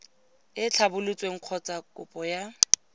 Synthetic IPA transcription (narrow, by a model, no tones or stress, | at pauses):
ɪt͡ɬʰabʊlʊt͡sʼweŋ̩q͡χʰɔt͡sʼakʼʊpʼɔja